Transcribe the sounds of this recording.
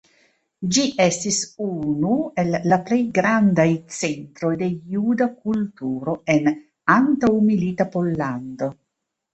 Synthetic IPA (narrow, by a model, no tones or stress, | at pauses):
d͡ʒiʔestisunue̞lːaple̞jɡɾandajt͡se̞ntɾo̞jde̞judak̚ultuɾo̞e̞n | antawmilitapo̞lːando̞